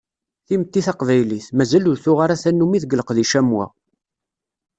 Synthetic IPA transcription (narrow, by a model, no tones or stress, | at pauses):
θimət̪ːiθaqvæjliθmæzælʊɾθʊʁaɾaθænːumiðɡləqðiʃæmwæ̰